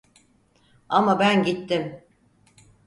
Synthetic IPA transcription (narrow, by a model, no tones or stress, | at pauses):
amabænɟit̪ːɪm